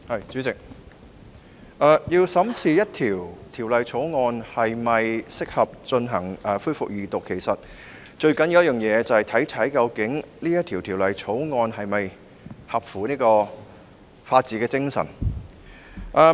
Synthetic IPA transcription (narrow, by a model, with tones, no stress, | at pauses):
hɐ˨jt͡syː˨˥t͡sɪ˨k̚ | ʔɛː˧jiː˧wsɐ˨˥msiː˨jɐ˥t̚t̪ʰiː˨˩wt̪ʰiː˨˩wlɐ˨jt͡sʰo˨˥wŋɔː˧nhɐ˨jmɐ˨jsɪ˥k̚hɐ˨p̚t͡ʃɵ˧nɦɐ˨˩ŋʔɐː˨˧fuː˥jfʊ˨k̚jiː˨t̪ʊ˨kʰːe˨˩jsɐ˨t̚ | t͡ʃɵ˧ɥkɐ˨˥njwjɐ˥jœː˨ŋjɛː˨˧t͡sɐ˨˧hɐ˨˩jt̪ʰɐ˨˥jt̪ʰɐ˨˥jkɐ˧wkɪ˨˥ŋliː˥jɐ˥t̪ʰiː˨˩wt̪ʰiː˨˩wlɐ˨jt͡sʰo˨˥wŋɔː˧nhɐ˨jmɐ˨j | hɐ˨p̚fuː˨˩niː˥kɔː˧ | faː˧t̚t͡siː˧˥kɛː˧t͡sɪ˥ŋsɐ̰˨˩n | ʔɐː˧